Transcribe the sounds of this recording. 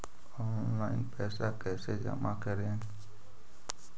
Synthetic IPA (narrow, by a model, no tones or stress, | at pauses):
ɔnnlaɪnpɛsakesed͡ʒa̰makɛɾen